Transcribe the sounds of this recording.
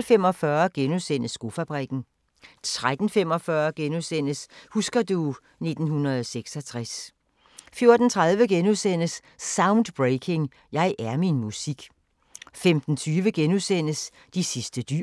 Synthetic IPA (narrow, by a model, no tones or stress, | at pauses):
lfem̰ɒ̽fɶɐɡ̥enuðˠsen̰əsːɡ̥o̝fæb̥ʁiɡ̥n̩ | t͡sʰʁad̥n̩fem̰ɒ̽fɶɐɡ̥enuðˠsen̰əshusɡ̥ɐd̥u | ne̝d̥n̩hunɐðˠseɡ̥sɒ̽t͡sʰʁas | fjo̝ɐd̥n̩t͡sʰʁaðˠʋəɡ̥enuðˠsen̰əsː | äʊnd̥b̥ʁeɪkʰe̝ŋ | jɑ̈ɪʔæɐminmusiɡ̥ | femd̥n̩t͡sʰyːʋəɡ̥enusen̰əs | d̥isisd̥əd̥y